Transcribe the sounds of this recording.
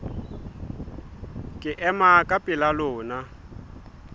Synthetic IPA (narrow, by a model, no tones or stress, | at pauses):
kʼɪʔɛmakʼapʼɪlalʊːna